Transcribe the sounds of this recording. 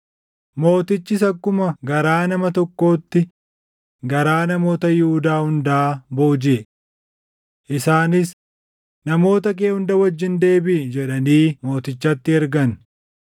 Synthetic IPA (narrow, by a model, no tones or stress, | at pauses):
mo̞ːt̪ɪt͡ʃːɪsɐkːʊmɐɡɐɾaːnɐmɐt̪ɔkːo̞ːt̪ːɪ | ɡɐɾaːnɐmo̞ːt̪ɐjɪhʊd̪aːhʊnd̪aːbo̞ːd͡ʒɪɛ | ʔɪsaːnɪs | nɐmo̞ːt̪ɐk̬ʼeːhʊnd̪ɐwɐd͡ʒːɪnd̪e̞ːbɪd͡ʒɛᶑɐniːmo̞ːt̪ɪt͡ʃːɐt̪ːɪɛɾɡɐn